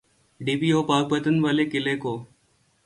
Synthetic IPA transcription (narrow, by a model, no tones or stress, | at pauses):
ɖiːpiːoːpaːɡ̚pət̪ənʋaːlekɪleːkoː